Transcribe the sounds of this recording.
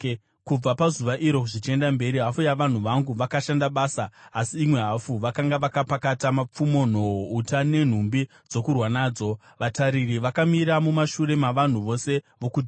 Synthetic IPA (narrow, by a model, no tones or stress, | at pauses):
kub͡vapazuʋaʔiɾo̞kuʐit͡ʃe̞ndambe̞ɾiɦafujaʋan̤uʋaŋɡuʋakaʃandaɓaːsaːsiːmwe̞ɦafuʋakaŋɡaʋakapakatamap͡fumo̞n̤o̞ɦoutane̞n̤umbi | d͡zo̞kurwanaːd͡zo̞ | ʋataɾiriʋakamiɾamumaʃuɾe̞maʋan̤uʋo̞se̞ | ʋo̞kud͡ʒ